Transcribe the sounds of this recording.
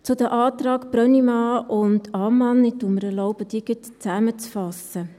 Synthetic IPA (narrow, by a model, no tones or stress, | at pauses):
t͡sʊd̪əʔɑːt̪ɾɑːkb̥ɾœnimɑːʊntɑːmɑnɪd̥uməɾɛɾlɔʊbəd̥̪iɡ̥ət̪t͡sæmət͡sfɑsə